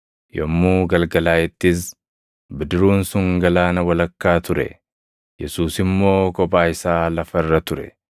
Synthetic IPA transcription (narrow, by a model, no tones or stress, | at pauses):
jɔmːuːɡɐlɡɐlaːɪt̪ːɪs̬ | bɪd̪ɪɾuːnsʊŋɡɐlaːnɐwɐlɐkːaːt̪ʊɾɛ̰ | jɛsuːsɪmːo̞ːkɔpaːɪsaːlɐfɐrːɐt̪ʊɾɛ̰